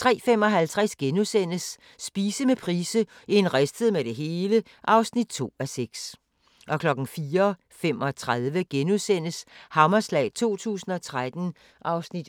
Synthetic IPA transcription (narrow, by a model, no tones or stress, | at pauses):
t͡sʰʁɛ̰ːfem̰ɒ̽ɦælt͡sʰʁasɡ̥enusen̰əsː | b̥iːsəmepʰʁiːsəenʁæsd̥əð̞̩ˠmeɾ̥e̝ɦe̝ːlə | ʔɑ̈ʊsnid̥̚t͡sʰo̝̰ːæseɡ̥s | ʔɒ̽kʰlɒ̽ɡ̥n̩fiːɐ | femɒ̽t͡sʰʁaðˠʋəɡ̥enuðˠsen̰əshɑ̈mɐslɛ̰ːɪt͡sʰo̝̰ːt͡sʰṵːsn̩ɒ̽t͡sʰʁad̥n̩ | ʔɑ̈ʊsnid̥